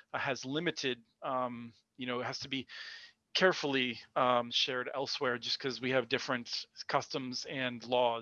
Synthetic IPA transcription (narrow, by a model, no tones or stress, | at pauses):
ɨzlɪ̃mɨɾɪd̚ʌ̃m | jɨñoʊɨt̚ɦhæz̥tʰɨbi | kʰɛɹfl̩ˠiʌmʃɛɹɾɛ̰lˠswɛɹd͡ʒʌskʰʌzwiɨvdɪfɹɨ̃ntkʰʌstə̃mzɨ̃nlɔ